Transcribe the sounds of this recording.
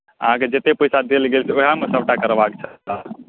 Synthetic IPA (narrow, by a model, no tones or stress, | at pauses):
ə̰ɦãked͡ʒet̪epəjsad̪elɡelseoɦamesəbʈakəɾbakt͡ʃʰət̪a